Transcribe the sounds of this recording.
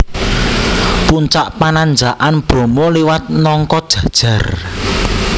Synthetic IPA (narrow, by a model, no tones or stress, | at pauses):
puɲt͡ʃaʔpanand͡ʒaʔanb̥o̤mɔliwat̪̚nɔŋkɔd̥ʒ̥ä̤d̥ʒ̥ä̤r